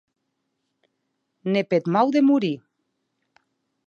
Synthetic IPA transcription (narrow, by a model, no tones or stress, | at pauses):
nepet̪mawðemuɾi